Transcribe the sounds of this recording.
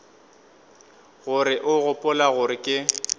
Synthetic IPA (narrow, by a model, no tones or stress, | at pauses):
ɣʊɾɪʔʊɣʊpʼʊlaɣʊɾɪkʼɪ